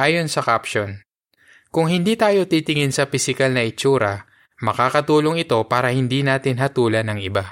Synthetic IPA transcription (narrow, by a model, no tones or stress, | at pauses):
ʔaːjo̞nsɐkapʃon | kʊŋɦɪnd̪iːt̪aːjo̞t̪it̪ɪŋɪnsɐpɪsɪkɐlnɐʔɪt͡ʃuːɾɐ | mɐkaːkɐt̪uːloŋɪt̪o̞paːɾɐhɪnd̪iːnaːt̪ɪnɦɐt̪uːlɐnɐŋɪba